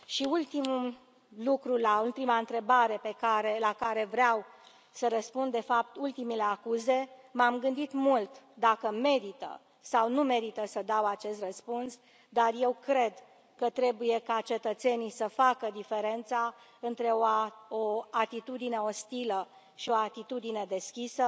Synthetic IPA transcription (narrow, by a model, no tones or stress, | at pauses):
ʃiult̪imu | lukɾulault̪imaɨnt̪ɾe̞baɾe̞pe̞kaɾelakaɾe̞vɾeaw | səɾəspund̪e̞fap̚t̪ult̪imile̞akuze̞mamɡɨnd̪it̪mult̪d̪akəme̞ɾit̪ə̰ | sawnume̞ɾit̪əsəd̪awat͡ʃe̞st̪rəspuns | d̪arje̞wkɾe̞d̪ | kət̪ɾe̞buje̞kat͡ʃe̞t̪ət̪se̞nisəfakəd̪ife̞ɾe̞nt̪saɨnt̪ɾe̞ooat̪it̪ud̪ine̞o̞st̪ilə | ʃio̞at̪it̪ud̪ine̞d̪e̞skʲisə